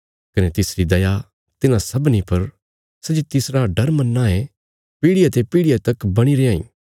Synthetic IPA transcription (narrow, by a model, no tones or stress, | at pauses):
kɐnet̪ɪsɾid̪ɐja | t̪ɪnãsɐbnipɐɾ | sɐd͡ʒit̪ɪsɾaɖɐɾmɐnːaɦe | piːɽɪjat̪epiɽɪjat̪ɐkbɐɽ̃iɾeãːḭ̃ː